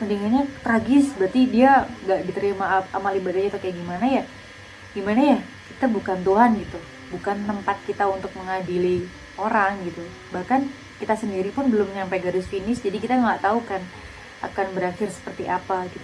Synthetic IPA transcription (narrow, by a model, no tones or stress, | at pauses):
mənd̪iŋaɲat̪ɾaɡɪsbərt̪idiaŋɡaʔdit̪əɾimaa̰malibadad͡ʒat̪okajaɡimanaja | ɡ̥imanaja | kit̪abukant̪uɦanɡit̪u | bukant̪əmpat̪̚kit̪aunt̪ʊk̚məŋadili | oɾaŋɡit̪u | bahkan | kit̪asəndiɾipʊnbəlʊmɲampajɡadʊsfinɪsd͡ʒadikit̪aŋaʔt̪aukan | a̰kanbəɾaxɪrsə̥pərt̪iʔapakit̪a